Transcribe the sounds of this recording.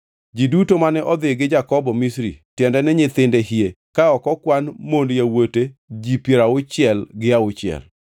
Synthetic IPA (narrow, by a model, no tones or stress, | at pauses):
d͡ʒidutomanɛʔɔd̪ɪɡɪd͡ʒakɔbɔmisɾḭtjɛndɛnɛɲɪt̪ɪndehie | kaɔkɔkwanmondjawoted͡ʒipjeɾaʊt͡ʃɪɛlɡɪaʊt͡ʃɪɛ̰l